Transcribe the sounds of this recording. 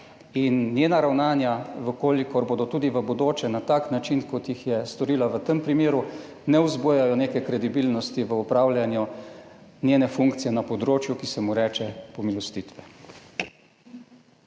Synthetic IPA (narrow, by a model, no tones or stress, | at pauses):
innjeːnaɾawnaːnjaʋəkoːlikɔɾboːd̪ɔt̪uːd̪iʋəbɔd̪oːt͡ʃɛnat̪aːknat͡ʃinkɔt̪jixjɛst̪ɔɾiːlaʋət̪əmpɾimeːɾu | nɛuzbujajɔneːkɛkɾɛd̪ibiːlnɔst̪iʋəupɾaːwljanju | njeːnɛfuŋkt̪sijɛnapɔd̪ɾoːt͡ʃjukisɛmuɾɛːt͡ʃɛpɔmilɔst̪iːt̪ʋɛ